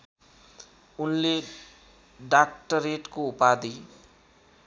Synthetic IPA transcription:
unle | ɖak̚ʈʌɾeʈkoupad̪i

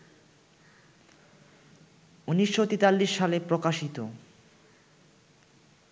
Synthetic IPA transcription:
uniʃːot̪it̪alːiʃːalepɾokaʃit̪o

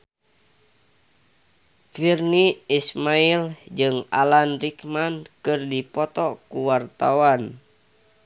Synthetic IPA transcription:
t̪wirniismaild͡ʒɨŋa̰lanrikmankɨrdipɔt̪ɔkuwart̪awan

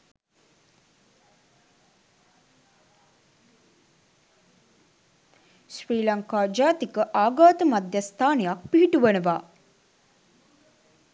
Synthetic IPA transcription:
sriːlaŋkaːd͡ʒaːt̪ikəʔaːɡaːt̪əmad̪jast̪ʰaːnejak̚piɦiʈuʋənəʋaː

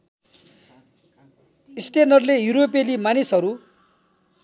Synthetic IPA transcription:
isʈenʌrlejuɾopelimanisɦʌɾu

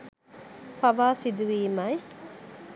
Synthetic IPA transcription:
fɐʋaːsid̪uʋiːmɐj

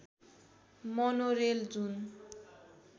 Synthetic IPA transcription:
mɔnoɾeld͡zun

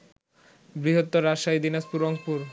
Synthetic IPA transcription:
bɾiɦot̪ːoɾaʃajd̪inaspuɾoŋpuɾ

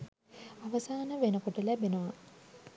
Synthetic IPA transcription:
aʋɐsaːnəʋenəkoʈəlæbenoʋɐ

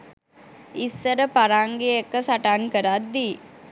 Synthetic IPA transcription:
isːəɾəpaɾaːŋɡeekːəsaʈaːnkəɾat̪d̪iː

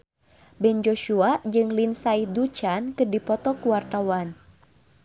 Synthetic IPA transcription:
bɛnd͡ʒoʃuad͡ʒɨŋlinsaihdut͡ʃankɨrdipɔt̪ɔkuwart̪awan

